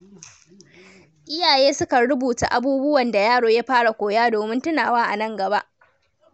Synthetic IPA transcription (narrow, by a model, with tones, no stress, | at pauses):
ʔɪ˦jaː˨jeː˦sʊ˦ka˨ɽʊ˦buː˨ta̰˨ʔa˦buː˦bʊ˦wɐ˨nda˨jaː˦ɽoː˨ja˦ɸaː˦ɽa˨kʷoː˨jaː˦doː˨mɪ˦ntʊ˦naː˨waː˦ʔa˨nɐ˦ŋɡɐ˨ba˦ʔ